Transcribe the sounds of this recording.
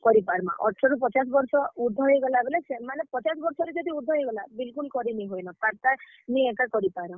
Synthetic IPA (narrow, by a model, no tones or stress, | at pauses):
kɔɾipaɾmã̰ʔɔ̰ʈʰɾɔɾup̬ɔt͡ʃas̬ɔbɔɾsɔuɾd̪ʱɔɦojɡɔlaebɔlesemanepɔt͡ʃasɔbɔɾsɔɾed͡ʒɔd̪ʱiuɾd̪ʱɔɦojɡɔlabilkulkɔɾiniɦojnɔt̪aɾt̪a | niekakɔɾipaɾɔ